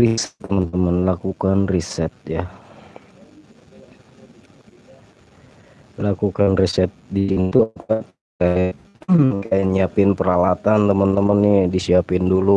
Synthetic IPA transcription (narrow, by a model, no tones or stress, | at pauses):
risɛ̥t̪ːəmənt̪əmənlakukanrisɛt̪̚ja | lakukanrisɛt̪̚diint̪uapat̪̚ | kaɪt | kaaniapɪnpəɾalat̪ant̪əmənt̪əmənːɪdisiapɪndulu